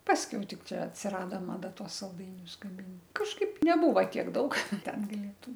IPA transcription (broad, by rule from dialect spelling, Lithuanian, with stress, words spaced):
ˈpɑːsʲkʲɛʊ ˈtʲɪk ˈt͡ʃʲɛ ɐtʲsʲɪˈrɑːdoː mɐˈdɐ ˈtuɔs sɐlˠˈdɐɪnʲʊs ɡɐˈmʲɪn kɐʃˈkɐɪp nʲɛˈbuːʋɐ ˈtʲiɛk ˈdɐʊk ˈtʲɛn ɡɐˈlʲeːtʊm